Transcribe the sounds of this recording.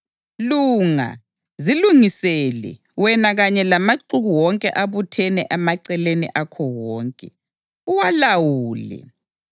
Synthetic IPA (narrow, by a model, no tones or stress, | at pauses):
luːŋa̰ | ziluŋisɛlɛ̰ | wɛnaɣaɲɛlamaǀuɣuwɔŋkʼɛʔaβutʰɛnɛʔɛmaǀɛlenḭʔakʰɔwɔːŋkʼɛ | uwalawuːlɛ̰